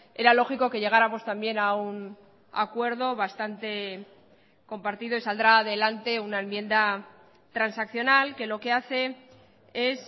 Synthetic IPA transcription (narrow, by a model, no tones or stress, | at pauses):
e̞ɾalo̞xiko̞keʎe̞ɣaɾamo̞st̪ambje̞naun | a̰kwe̞ɾðo̞βast̪ant̪e̞ | ko̞mpaɾt̪iðo̞isald̪ɾaːðe̞lant̪e̞unaemmje̞nd̪a | t̪ɾansakθjo̞nalke̞lo̞ke̞aθe̞ | e̞s